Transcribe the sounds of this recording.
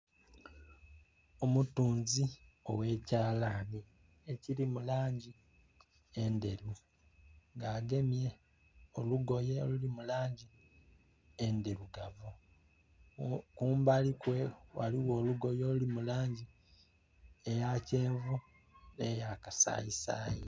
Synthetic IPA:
o̞mutuːnzio̞̰we̞ːcaːlaːni | ecilimulaːɲɟi | e̞nde̞ɾu | ŋɡaːɡe̞mje̞ | oluɡo̞jeolulimulaːɲɟi | endeɾuɡaβu | kuːmbalikwe̞waliwo̞ːluɡo̞jo̞ːlulimulaːɲɟi | ejace̞ːɱvu | nejakasa̰isa̰ːei

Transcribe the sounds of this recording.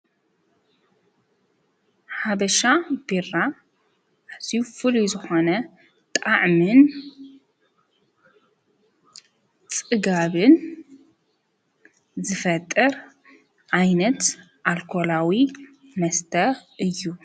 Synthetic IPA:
ħaβɐʃabira | ʔazifɨlujzɨxo̞nɐ | t̪ʼaʕmɨn | t͡sʼɨɡaβɨn | zɨfɐt̪ʼːɨɾ | ʕajnɐt̪ | ʔalkʰo̞lawi | mɐst̪ʰɐʔɨjːu

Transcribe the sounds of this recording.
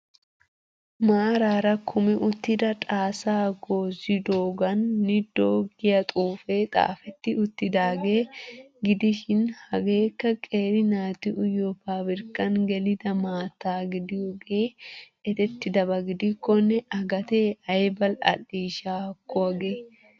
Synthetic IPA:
maːɾaːɾɐkʰʊmɪʔʊt̪ːɪd̪ɐt̪ʼaːsaːɡoːzɪd̪oːɡɐnːɪd̪oːɡɪjɐt̪ʼuːfeːt̪ʼa̰ːfɛt̪ːɪʊt̪ːɪd̪aːɡeː | ɡɪd̪ɪʃɪnhɐɡeːkːɐkʼe̞ːɾɪnaːt̪ɪʔʊjɔfaːbɪɾkːɐnɡɛlɪd̪ɐmaːt̪ːaːɡɪd̪ɪwɔɡeː | ɛt̪ɛt̪ːɪd̪ɐbɐɡɪd̪ɪkːɔnɛʔɐɡɐt̪e̞ːɐjbɐlɐ̰lːiːʃaːkːɔɐɡeː

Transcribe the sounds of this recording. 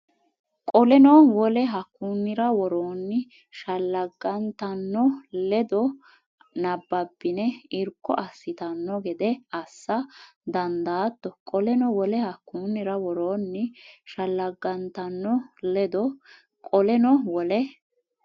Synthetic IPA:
kʼɔlɛnɔwɔlɛɦɐkːuːnːɪɾɐwɔɾoːnːɪ | ʃɐlːɐɡːɐnt̪ɐnːɔlɛd̪ɔ | nɐbːɐbːɪnɛɪɾkːɔ̰ʔɐsːɪt̪ɐnːɔɡɛd̪ɛɐsːɐd̪ɐnd̪aːt̪ːɔkʼɔlɛnɔwɔlɛhɐkːuːnːɪɾɐwɔɾoːnːɪʃɐlːɐɡːɐnt̪ɐnːɔlɛd̪ɔ | kʼɔlɛnɔwɔlɛ

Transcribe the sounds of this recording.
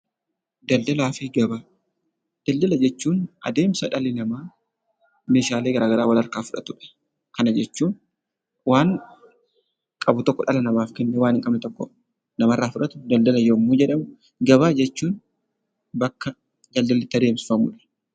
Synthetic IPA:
d̪ɐld̪ɐlaːfɪɡɐbaː | d̪̥ɐld̪ɐlɐd͡ʒɛt͡ʃːuːnʔɐ̰d̪e̞ːmsɐᶑɐlɪnɐmaː | meːʃaːleːɡɐɾʔaːɡɐɾaːwɐlɐɾkaːfʊᶑɐt̪ʊᶑɐ̥ | kɐnɐd͡ʒɛt͡ʃːuːn | waːŋ | kʼɐbʊt̪ɔkːɔᶑɐlɐnɐmaːfkɛnːɛwaːnɪŋkʼɐbnɪt̪ɔkːɔ | nɐmɐrːaːfʊᶑɐt̪ʊ̥d̪ɐld̪ɐlɐjoːmːuːd͡ʒɛᶑɐmʊ | ɡɐβaːd͡ʒɛt͡ʃːuːn | bɐkːɐ | d̪ɐld̪ɐlɪt̪ːɐd̪eːmsɪ̥fɐmʊᶑɐ̥

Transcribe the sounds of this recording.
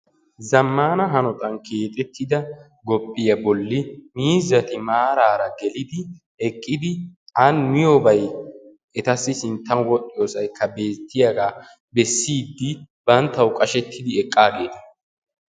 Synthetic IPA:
zɐmːaːnɐɦɐnɔt̪ʼɐnke̞ːt̪ʼɛt̪ʰːɪd̪ɐ | ɡɔpʼːɪjɐbɔlːɪmiːzɐt̪ɪmaːɾaːɾɐɡɛlɪd̪ɪ | ɛkʼːɪd̪ɪʔɐnmɪjɔbɐj | ʔɛt̪ɐsːɪsɪnt̪ːɐnwɔtʼːɪjoːsɐjkʰːɐbe̞ːt̪ːɪjɐɡa | bɛsːiːd̪ːɪb̥ɐnt̪ːɐwkʼɐʃɛt̪ʰːɪd̪ɪɛkʼːaːɡe̞ːt̪ɐ̥

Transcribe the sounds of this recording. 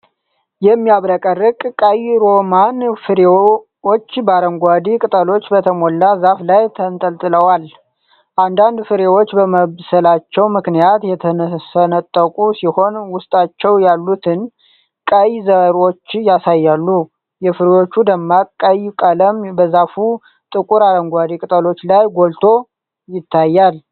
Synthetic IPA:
jɛmːiaβɾəkʼərːɨkʼkʼajɾo̞manfɨɾe | wo̞t͡ʃːbaɾəŋɡʷad̪ikʼɨt̪ʼəlo̞t͡ʃːbət̪ʰəmo̞lːazaflajt̪ʰənt̪ʼəlt̪ʼɨləwal | ʔand̪and̪fɨɾewot͡ʃːbəməβsəlat͡ʃːɛwmɨknijat̪jɛt̪ʰəsənət̪ʼːəkʼusiho̞nwʊst̪ʼat͡ʃːɛwjalːut̪ʰɨn | kʼəjzəɾo̞t͡ʃːjasajːalːu | jɛfɨɾewo̞t͡ʃːud̪əmːakʼəjkʼələmbəzafu | t̪ʼɨkʼuɾaɾəŋɡʷad̪ikʼɨt̪ʼəlo̞t͡ʃːlajɡo̞lt̪ʰo̞ | jɪt̪ʰːajːal

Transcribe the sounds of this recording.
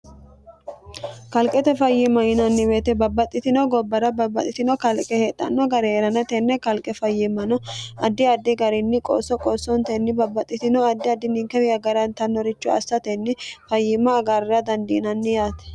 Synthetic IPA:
kɐlkʼɛt̪ɛfɐjːɪmːɐjɪnɐnːɪbeːt̪ɛbɐbːɐt̪ʼːɪt̪ɪnɔɡɔbːɐɾɐbɐbːɐt̪ʼɪt̪ɪnɔkɐlkʼɛheːt̪ʼːɐ̰nːɔɡɐɾɛːɾɐnɐt̪ɛnːɛkɐlkʼɛfɐjːɪmːɐnɔɐd̪ːɪɐd̪ːɪɡɐɾɪnːɪkʼo̰sːɔkʼɔsːɔnt̪ɛnːɪbɐbːɐt̪ʼːɪt̪ɪnɔɐd̪ːɪɐd̪ːɪnɪŋkːɛwɪɐɡɐɾɐnt̪ɐnːɔɾɪt͡ʃːʊɐ̰sːɐt̪ɛnːɪfɐjːɪmːɐːɡaɾɪɐd̪ɐnd̪ɪnɐnːɪjaːt̪ɛ̥

